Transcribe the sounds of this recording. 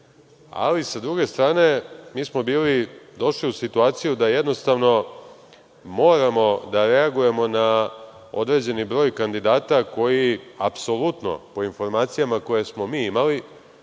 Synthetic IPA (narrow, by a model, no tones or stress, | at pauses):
a̰lisad̪ɾuɡe̞st̪ɾaːne̞miːsmo̞biːlid̪o̞ʃliusit̪uaːt̪sijud̪ajed̪no̞st̪aʋno̞ | mo̞ːɾamo̞d̪aɾe̞aɡuje̞mo̞na | o̞̰d̪ɾe̞d͡ʑe̞nibɾo̞ːjkand̪id̪aːt̪ako̞jiapso̞lut̪no̞̰po̞info̞ɾmaːt̪sijamako̞jesmo̞miːimali